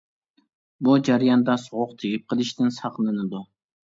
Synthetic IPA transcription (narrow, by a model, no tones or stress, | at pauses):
bud͡ʒæɾjɑnd̪ɑsʊʁʊqt̪ʰeɡʲip̚qʰəlˠɪʃt̪ɪnsɑqlˠɨnɨd̪u